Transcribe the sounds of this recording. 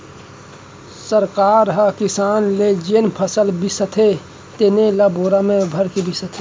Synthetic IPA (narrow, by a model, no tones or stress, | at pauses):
səɾkaːɾɦəkɪsaːnled͡ʒenpʰəsəlbisət̪ʰe | t̪enelaboːɾamẽbʱɐɾkebisət̪ʰe